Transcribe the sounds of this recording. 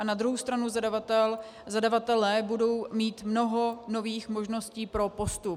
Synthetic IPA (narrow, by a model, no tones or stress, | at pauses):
ʔanad̪ɾuɦowst̪ɾanuzadavat̪ɛl | zadavat̪ɛlɛːbudo̞wmiːt̪mno̞ɦono̞viːxmo̞ʒno̞sciːpɾo̞po̞st̪u